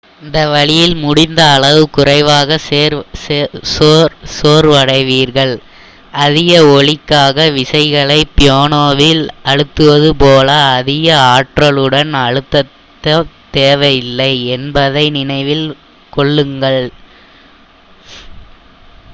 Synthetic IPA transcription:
ɪnd̪ɐʋɐɭɪjɪlmʊɽɪnd̪ɐːɭɐʋɯkʊrɐɪʋaːɣɐseːɾ | soːɾʋɐɽɐɪʋiːɾɣɐɭ | ɐðɪɣɐɔɭɪkːaːɣɐʋɪsɐɪɣɐɭɐɪpːɪjoːnoːʋɪlɐɻɯt̪ːɯʋɐðɯpoːlɐːðɪɣɐaːʈrɐɭɯɽɐnɐɻɯt̪ːɐt̪ːɐt̪eːʋɐjɪlːɐɪɛnbɐðɐɪnɪnɐɪʋɪl | kɔɭːɯŋɡɐɭ

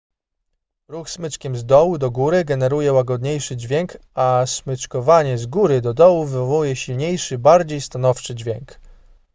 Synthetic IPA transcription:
ɾuxsmɘt͡ʂkʲɛmzd̪ɔwud̪ɔɡuɾɘɡɛnɛɾujɛwaɡɔd̪ɲejʂɘd͡ʑvʲjɛŋk | asmɘt͡ʂkɔvaɲɛzɡuɾɘd̪ɔd̪ɔwuvɘvɔvujɛɕilɲejʂɘbaɾd͡ʑejst̪anɔft͡ʂɘd͡ʑvʲjɛŋk

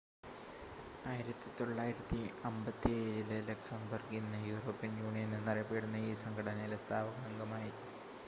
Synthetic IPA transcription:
aːjiɾɐt̪ːit̪o̞ɭːaːjiɾɐt̪ːiɐmbɐt̪ːieːɾillɐksɐnbɐrɡinːɨjuːro̞ːpːijɐnjuːɳijɐnɨnɐrɐpːeːɽunːɐiːsɐŋɡʰɐɽɐnɐjilest̪ʰaːʋɐɡaːŋɡɐmaːji

